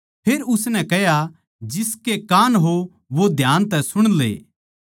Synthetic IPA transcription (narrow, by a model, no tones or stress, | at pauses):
pʰeːɾʊsnɛ̃kɛɦja | d͡ʒɪskekaːnɦo | ʋod̪ʱjaːnt̪ɛsʊɽ̃lḛː